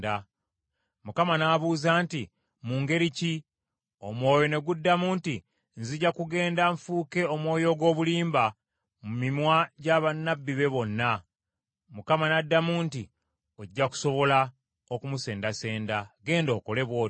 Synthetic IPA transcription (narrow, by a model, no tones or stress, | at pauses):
da | mukamanaβuːzaːnti | muːŋɡe̞ɾici | o̞mwo̞ːjo̞ne̞ɡudːamuːnti | nziɟakuɡe̞ːndaɱfuːke̞o̞mwo̞ːjo̞ɡwo̞ːβuliːmba | mumimwaɟaβanːabːiβe̞βo̞nːa | mukamanadːamuːnti | oɟːaku̥so̞βo̞la | okumuse̞ːndase̞ːndaɡe̞ːndo̞ːko̞le̞βwo̞ː